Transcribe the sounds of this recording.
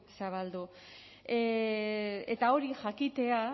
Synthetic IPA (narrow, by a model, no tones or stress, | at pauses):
saβ̞ald̪u | et̪ao̞ɾiʝakit̪e̞a